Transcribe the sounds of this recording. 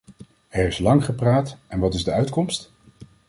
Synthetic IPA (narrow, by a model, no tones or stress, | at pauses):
ɛɹɪslɑŋχəpraːtɛnʋɑtɪzdəœɥtkɔmst